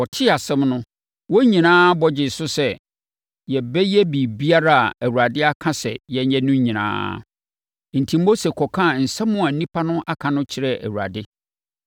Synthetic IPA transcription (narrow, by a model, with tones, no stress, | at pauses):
wɔ˨tʰɪ˦a˨sɛ̃˦mnʊ̃˦ | wɔ˦ɲĩ˨nãː˦bɔ˨d͡ʑɪ˨sʊ˦sɛ˨ | jɛ˨bɛ˦jɛ˦bi˨bi˦a˦ɾa˦a̰˨æ˨wu˨ɾa˨dɪ˦a˦kʰã˦sɛ̰˨jɛ˨˦ɲɛ̃˦nʊ̃˦ɲĩ˨nã̰ː˦ | n̩˨tʰi˨mː˦o˦se˨kʰɔ˨kʰã˦˨n̩˨sɛ̃˦mːʊ̃˦ã˨nĩ˦pʰa˦nʊ̃˦ʔa˦kʰã˨nʊ̃˦t͡ɕʰɪ˨ɾɛ˨æ̰˨wu˨ɾa̰˨dɪ˦